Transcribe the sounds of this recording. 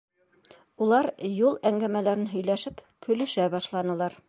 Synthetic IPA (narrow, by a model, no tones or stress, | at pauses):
ulˠɑɾjulˠæŋɡæmælæɾɘnɦɵ̆jlæʃɘp | kʰɵ̆lɵ̆ʃæbɑʃlˠɑnɤ̆lˠɑɾ